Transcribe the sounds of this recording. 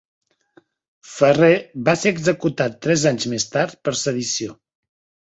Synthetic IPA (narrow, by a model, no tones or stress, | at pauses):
fəreβaseɾəɡzəkut̪at̪ːɾɛzaɲzmest̪aɾt̪̚pəɾsəðisio